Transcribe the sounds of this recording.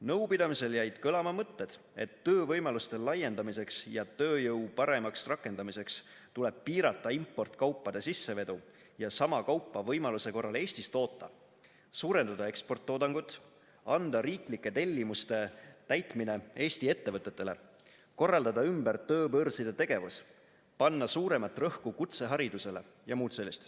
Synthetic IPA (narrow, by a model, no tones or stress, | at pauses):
nɤ̞wpid̪̥ɑmise̞ljæjd̪̥kɤlɑmɑmɤt̪ːe̞d̪̥ | e̞t̪ːøːvɤjmɑlust̪e̞lɑjːe̞nd̪ɑmise̞ksjɑt̪ø̞ːjɤwpɑɾe̞mɑksrɑkːˑe̞nd̪ɑmise̞ks | t̪ule̞b̥̚piːɾɑt̪ːˑɑimpːo̞rt̪ˑkɑwpːɑd̪e̞sisːe̞ve̞d̪u | jɑsɑmɑkɑwpːˑɑvɤjmɑluse̞ko̞rːɑle̞ːsʲt̪ist̪o̞ːt̪ːɑ̰ | suːɾe̞nd̪̥ɑd̪̥ɑe̞kspo̞rt̪ːo̞ːd̪ɑŋɡ̥ut̪ːˑ | ɑnd̪ɑɾiːklikːe̞t̪e̞lʲːimust̪e̞t̪æjt̪mine̞e̞ːsʲt̪ie̞t̪ːe̞vɤt̪ːe̞t̪ːele̞̰ | ko̞rːɑld̪ɑd̪ɑymbært̪ɤːpɤrsid̪̥et̪e̞ɡ̥e̞vus | pɑnːɑsuːɾe̞mɑt̪ːˑrɤhkukut̪se̞ɦɑɾid̪̥use̞le | jɑmuːt̪se̞lːist̪